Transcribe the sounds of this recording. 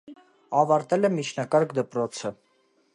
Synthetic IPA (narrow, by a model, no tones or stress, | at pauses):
ɑvɑɾt̪ɛlɛmit͡ʃʰnɑkɑɾkd̪əpɾɔt͡sʰə